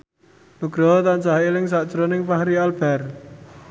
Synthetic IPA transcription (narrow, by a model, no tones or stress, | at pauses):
nuɡ̥ɾɔɦɔt̪aɲt͡ʃaɦelɪŋs̬aʔt͡ʃɾonɪŋpaɦɾialb̥ɛr